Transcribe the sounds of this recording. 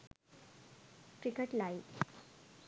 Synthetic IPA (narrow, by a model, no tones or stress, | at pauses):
kɾikeʈlai